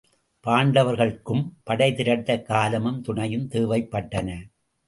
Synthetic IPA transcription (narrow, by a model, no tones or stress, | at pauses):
paːɳɖɐʋɐɾɣɐɭkːɯmpɐɽɐɪðɪɾɐt̪ːɐkːaːlɐmɯmt̪ʊɳɐjɯmt̪ɯːʋɐɪpːɐʈːɐnɐ